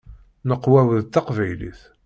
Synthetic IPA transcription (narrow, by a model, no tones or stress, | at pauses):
nəqːwæwəðt̪ːɑqvæjlḭθ